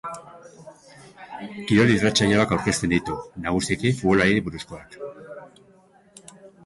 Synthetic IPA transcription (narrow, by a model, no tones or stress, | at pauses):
kiɾo̞lirat͡ʃajaakawɾke̞st̪e̞nd̪it̪unaɣ̞usie̞kifuβo̞laɾiɾiβuɾusko̞ak